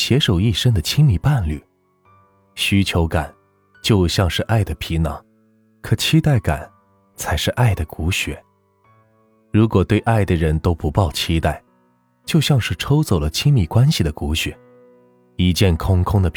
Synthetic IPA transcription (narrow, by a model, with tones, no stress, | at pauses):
ɕjɛ˧˥ʂo˨˩ʊi˥˩ʂə˥ŋd̪ə˨t͡ɕʰi˥ŋmi˧˩pa˥˧nly̰˥˩ | ɕy˧˥t͡ɕʰjo˧˥ʊka̰˨˩˦n | t͡ɕjo˥˧ʊɕjɑ˥˧ŋʂɻ̩˥˧ʔa˥˩ɪd̪ə˩pʰi˧˥nɑ̰˨˧˥ŋ | kʰɤ˨˩t͡ɕʰi˥t̪a˥˩ɪka̰˨˩˦n | t͡sʰa˧˥ɪʂɻ̩˥˧ʔa˥˩ɪd̪ə˩ku˧˥ɕɥɛ̰˨˩˦ | ɻu˧˥kwɔ˨˩t̪we˥˧ɪʔa˥˩ɪd̪ə˩ɻə˧˥nt̪o˥ʊpu˧˥pɑ˥˩ʊt͡ɕʰi˥t̪a˥˩ɪ | t͡ɕjo˥˧ʊɕjɑ˥˧ŋʂɻ̩˥˩ʈ͡ʂʰo˥ʊt͡so˨˩ʊlə˦t͡ɕʰi˥ŋmi˨˩kwa˥nɕi˨˩d̪ə˩ku˧˥ɕɥɛ̰˨˩˦ | i˧˥t͡ɕjɛ˥˩nkʰʊ˥ŋkʰʊ˥ŋd̪ə˨